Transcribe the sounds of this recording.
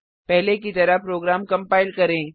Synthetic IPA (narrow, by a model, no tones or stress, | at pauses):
pɛɦlekit̪ɐɾapɾoːɡɾaːmkɐ̃mpaːɪlkɐɾẽː